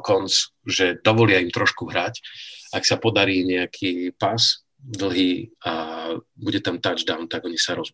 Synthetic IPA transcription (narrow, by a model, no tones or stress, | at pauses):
kɔnt͡sʒɛd̪ɔʋɔlɪaimt̪ɾɔʃkuɦɾacaksapɔd̪aɾiːɲɛakʰiːpas | d̪l̩ˠɦiːabuɟɛt̪amt̪ad͡ʒd̪aʊnt̪aɡɔɲisaɾɔs